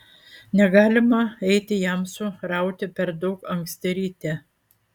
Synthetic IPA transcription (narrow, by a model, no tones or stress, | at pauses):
nʲɛɡɑːlʲɪmɐɛɪt̪ʲɪjæmsʊɾɐˑʊt̪ʲɪpʲɛɾd̪ɒʊkɐŋksʲt̪ʲɛɾʲiːt̪ʲɛ